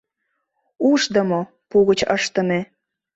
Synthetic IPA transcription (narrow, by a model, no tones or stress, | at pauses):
uʃd̪əmo | puɣət͡ɕəʃt̪əme